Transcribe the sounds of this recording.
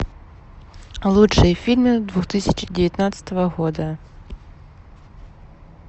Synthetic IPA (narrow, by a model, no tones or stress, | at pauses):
lˠuʂɨjəfʲilʲmɨd̪vuxt̪ɨsʲɪt͡ɕdʲɪvʲɪt̪nat̪sə̥t̪əvəɣod̪ə